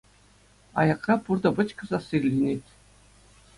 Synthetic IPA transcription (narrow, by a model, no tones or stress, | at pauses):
ɑ̰jɑqrɑpurd̪ɤ̆bɤ̆t͡ɕkɤ̆zɑsirʲlʲenʲetʲ